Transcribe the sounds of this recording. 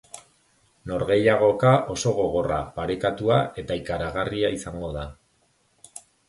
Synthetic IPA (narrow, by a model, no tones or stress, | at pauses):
no̞ɾɣe̞jaɣ̞o̞kaʔo̞so̞ɣ̞o̞ɣ̞o̞ra̰paɾe̞kat̪uae̞t̪aikaɾaɣariaisaŋɡo̞ða